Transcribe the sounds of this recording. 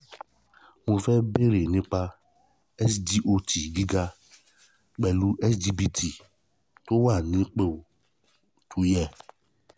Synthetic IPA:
mõ˧fɛ˦be˦ɾe˨nĩ˧˦k͡pa˧ | ɛ˦sdi˦ʔo˧ti˨ɡi˦ɡa˧ | k͡pɛ˧˨lu˦ʔɛ˦sd͡ʒi˧bi˧tʰi˨ | to˦wa˦˨nĩ˨˦k͡pe˦˨o˨ | tʰu˨˦jɛ˧

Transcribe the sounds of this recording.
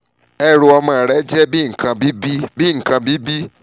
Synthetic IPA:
ɛ˦˨ɾu˧ɔ˧mã˧˨ɾɛ˨˦d͡ʒɛ˦bi˦ŋ̩˨kã˧bi˦bi˦bi˦˨ŋ̩˨kã˧bi˦bi˦

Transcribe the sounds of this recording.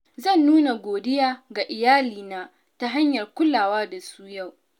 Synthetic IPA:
zɐ˦˨nːuː˦na˨ɡʷoː˨dɪ˦jaː˨ɡa˨ʔɪ˨jaː˦liː˨naː˦ | ta˦ɦa˦ɲjɐ˨rkʷʊ˦laː˨waː˦da˨suː˦ja˦˨w

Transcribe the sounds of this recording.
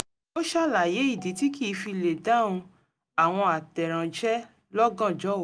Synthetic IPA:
o˦ʃa˦˨la˨je˨˦i˦˨di˨˦ti˦ki˦˨˧fi˧le˨da˦˨ũ˧ | a˨w̃ɔ̃˧a˨tɛ˨ɾ̃ã˨d͡ʒɛ˦ | lɔ˦ɡã˦˨d͡ʒɔ˨˦˨

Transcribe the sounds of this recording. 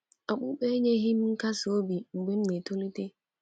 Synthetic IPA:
a˨k͡pu˦k͡pe˦ɲe˦ɦi˦m̩˦ŋ̩˦ka˦so˦bi˨ŋ͡m̩˨ɡ͡be˦m̩˦ne˨to˦li˦te˦

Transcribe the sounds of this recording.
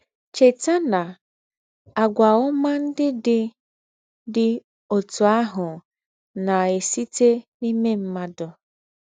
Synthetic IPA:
t͡ʃe˨ta˦na˨ | a˨ɡʷa˨ʊ˦ma˦n̩˦dɪ˦dɪ˦ | dɪ˨ | o˨tu˨a˦ɦʊ˨ | na˨e˨si˦te˦ni˦me˦m̩˦ma˦dʊ˦

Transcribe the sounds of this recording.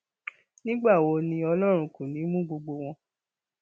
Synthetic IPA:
nĩ˦ɡ͡ba˦˨wo˨˧nĩ˧ɔ˧lɔ˦ɾ̃ũ˨˧kũ˨nĩ˨˦mũ˦ɡ͡bo˧ɡ͡bo˧w̃ɔ̃˧

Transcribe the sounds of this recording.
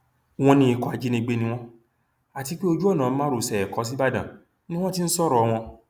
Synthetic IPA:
w̃ɔ̃˧nĩ˧i˧kɔ˨a˨˧d͡ʒi˦nĩ˧ɡ͡be˦nĩ˧w̃ɔ̃˦ | a˨ti˧k͡pi˦o˧d͡ʒu˦ɔ˦˨nãː˨m̩˦mã˦ɾo˨sɛ˨ɛ˨kɔ˨˦s̬i˦ba˦dã̰˨ | nĩ˦w̃ɔ̃˦ti˦˧n̩˦sɔ˦˨ɾɔ˧w̃ɔ̃˧

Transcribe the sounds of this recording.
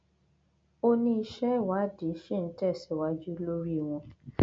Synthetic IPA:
o˦nĩ˧˦i˧ʃɛ˦˨wa˨˦di˨˦ʃe˦˨n̩˦tɛ˦˨sɛ˨wa˨˦d͡ʒu˦lo˦ɾi˦˨w̃ɔ̃˧

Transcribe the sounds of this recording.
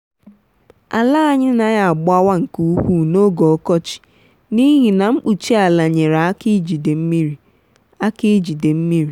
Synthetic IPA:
a̰˨la˦ɲɪ˦na˨ja˨ɡ͡bʊ˦a˦wa˦ŋ̩˨ku˦u˦ku˦no˦ɡɔ˨ɔ˦kɔ˦t͡ʃi̥˨ | ni˦ɦi˨na˨m̩˦k͡pu˨t͡ʃi˦a˨la˨ɲe˨ɾa˨a˦ki˦d͡ʒi˨de˨m̩˦mi˦ɾi˨ | a˦ki˦d͡ʒi˨de˨m̩˦mi˦ɾi˨

